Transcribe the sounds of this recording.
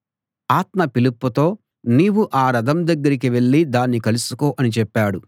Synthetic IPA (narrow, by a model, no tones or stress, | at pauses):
aːt̪mɐpilupːut̪o̞ː | niːwuʔaːɾɐd̪ɐmd̪ɐɡːɐɾik̬iʋe̞ɭːid̪aːnːikɐlusu̥koːʔɐnit͡ʃɛpːaːɽu